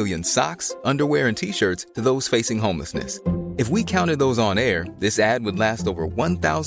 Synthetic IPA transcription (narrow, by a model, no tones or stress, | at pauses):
lˠjɨ̃nsɑ̰ksʌ̃ndə˞wɛɹɨ̃ntʰiʃɜ˞tstʰɨðoʊz̥feɪsɪ̃ŋɦõʊ̃mlə̰snɨ̰sɨfwikʰãʊ̃ɾ̃ɨd̪̚ðoʊzn̩ɛɹðɪsæd̚wədˡlæstoʊvə̰˞wʌ̃nθaʊz